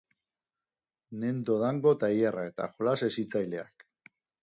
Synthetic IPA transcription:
ne̞nd̪o̞ðaŋɡo̞t̪aiarae̞t̪a̰xolasesit͡sajle̞a̰k

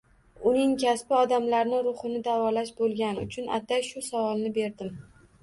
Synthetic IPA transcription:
ʊnɪŋkʲʰaspɪɒd̪amlaɾnɪɾʊχɨnɪd̪avɒlaʃbolˠɡʲanɪʊ̰t͡ʃʰʊnʔa̰t̪ajʃʊsavɒlˠnɪbe̞ɾd̪ɪm

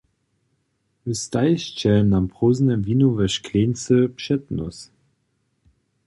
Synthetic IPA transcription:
vust̪aɪɕt͡ɕɛlmnampʁoːznəmviːnuvɛʃkʰleːnt͡səpʃɛtnɔ̰s

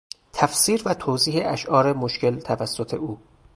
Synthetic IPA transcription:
t̪ʰæfsiːɾvæt̪ʰoːziːɦeʔæʃʔɒːɾemoʃcʰe̞lt̪ʰævæsːot̪ʰe̞̰ʔuː

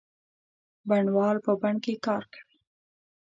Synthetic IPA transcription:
baɳwɑlpəbaɳkekɑɾkḁwi

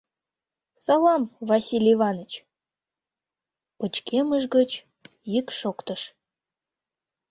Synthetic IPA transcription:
sɑlɑmvɑsʲilʲivɑnət͡ɕ | pət͡ɕkeməʒɡə̆t͡ɕ | jikʃokt̪əʃ

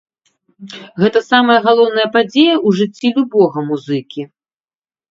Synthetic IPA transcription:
ɣɛt̪ɐsamɐjɐɣalˠɔwn̪ɐjɐpad͡zʲejɐʔuʐɨt͡sʲːilʲubɔɣɐmuzɨkʲi

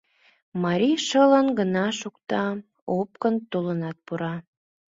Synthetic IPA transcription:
mɑɾʲiʃələnɡənɑʃukt̪ɑ | op̚kənt̪olənɑt̪̚puɾɑ

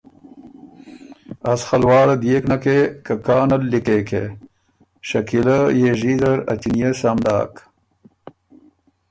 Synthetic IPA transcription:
ɐsxɐlwaːɽɐd̪jeknɐkekɐkaːnɐlːikeːkʰe | ɕɐkilɐjeʐiːzɐɾɐ̰t͡ɕinijesamɖa̰ːk

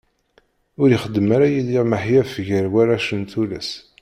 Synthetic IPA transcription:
ʊɾjiχəd̪ːəmaɾajiliʁməħjæfəʝəɾwæɾaʃənt̪ulæ̰s

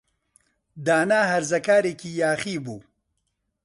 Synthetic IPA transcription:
d̪aːnaːɦɐɾzɐkaːɾeːkiːjaːxiːbuː

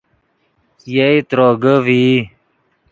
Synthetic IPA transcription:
jeit̪ɾoːɡəvi

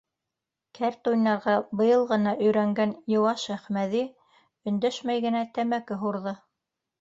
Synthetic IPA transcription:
kʰæɾt̪ujnɑɾʁɑbɤ̆jɤlˠʁɤ̆nɑʔɵ̆jɾæŋɡænjŏwɑʃæχmæði | ɵ̆nd̪æʃmæjɡɘ̆næt̪æmækɘɦuɾðɤ

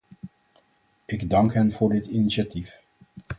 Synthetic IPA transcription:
ɪɡdɑŋkɦɛnv̥ʊːɹdɪtiniʃatif

